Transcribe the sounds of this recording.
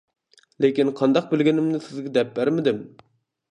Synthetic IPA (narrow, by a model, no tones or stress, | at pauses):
lekʲinqʰɑnd̪ɑq̚bɪlɡʲɪnɪmnɪsɪzɡʲɛd̪ɛp̚bæɾmɪd̪ɪm